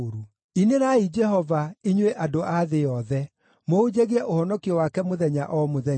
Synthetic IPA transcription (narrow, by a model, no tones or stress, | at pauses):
ɾu | ineɾaid͡ʒɛɦɔvaiɲweʔadoʔaðeɔðɛ | mood͡ʑeɣiɛʔohɔnɔkiɔwakɛmoðɛɲaʔɔmoðɛ